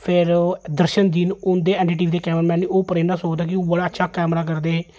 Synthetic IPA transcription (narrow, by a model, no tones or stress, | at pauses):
pʰɪɾd̪əɾʃənd̪iːnʊnd̪eːɛːɳʈiːʈ̬iːʋid̪eːkɛːmɾaːmɛːnnioːpəɾẽːaːsoːd̪aːkɪõːbəɽaːətːʃʰaːkɛːmɾaːkəɾd̪eː